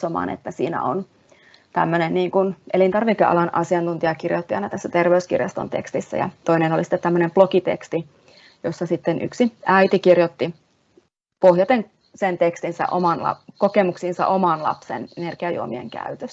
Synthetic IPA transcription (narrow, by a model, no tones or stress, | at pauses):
omɑ̰ːnʔḛt̪ːæsḭːnæ̰on | t̪æ̰mːønenniːŋkunʔelint̪ɑrʋikːeɑ̰lɑnʔɑsiɑnt̪unt̪iɑkirjot̪ːiɑinɑt̪æsːæt̪erʋeyskḭrjɑst̪o̰nt̪ḛkst̪isːæ̰jɑ̰t̪oinenolisi̥t̪ːet̪t̪æmːønemplokit̪ḛkst̪i | josːɑsit̪ːenʔy̰ksiæit̪ikirjot̪ːi | pohjɑt̪eŋ | sent̪ekst̪insæ̰ʔo̰mɑnlɑ̰kokemuksinsɑ̰ʔomɑnlɑ̰psḛnnerkiɑjṵomiḛŋkæ̰yt̪øs